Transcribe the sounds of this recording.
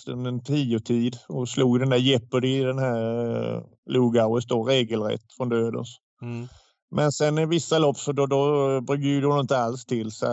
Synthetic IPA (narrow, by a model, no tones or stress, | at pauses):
t̪ɵnd̪ɛnt̪ʰiːʊʈʰiːd̪ɔsluːɡd̪ɛnd̪æːɾjɛpːəd̪ɪd̪ɛnhæɾ | luːɡaʊəst̪oɾeːɡəlɾɛ̰t̪ːfɾɔnd̪øːd̪ə̰ns | mʔɛnsɛnːɪvɪsːalɔpːsɔd̪ɔd̪ɔbɾʏɡd̪əjʏd̪ɔmɪnt̪əalst̪ʰɪlːsa̰